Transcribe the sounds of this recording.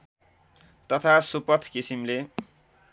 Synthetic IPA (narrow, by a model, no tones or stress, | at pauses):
t̪ʌt̪ʰasupʌt̪ʰkisimle